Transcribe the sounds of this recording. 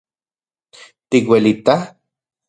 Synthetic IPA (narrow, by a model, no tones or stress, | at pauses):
t̪ikwelit̪a